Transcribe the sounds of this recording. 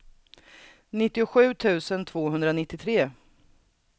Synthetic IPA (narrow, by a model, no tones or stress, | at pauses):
nɪt̪ːɪʊɧʉ̟ːt̪ʰʉ̟ːsənt̪ʰvoːɦɵnd̪ɾanɪt̪ːɪt̪ʰɾeː